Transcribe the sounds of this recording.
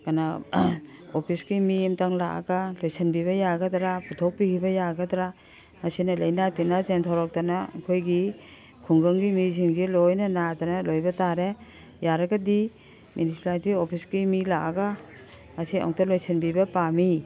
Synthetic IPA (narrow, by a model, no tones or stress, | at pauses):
kana | opʰisɡimimtaŋla̰ʔa̰ɡalojsʰanbiβɐjaɡɐdɾaputʰɔk̚pikibɐjaɡɐdɾa | mɐsinɐlɐjnatinazentʰɔɾɔk̚tana̰kʰojɡi | kʰuŋɡɯŋɡimiziŋɡilojnɐnatanɐlojbɐtaɾe | jaɾɐɡɐdi | mjunisipalitiopʰisɡimilaaɡa | masia̰wktɐlojsʰɐnbibɐpami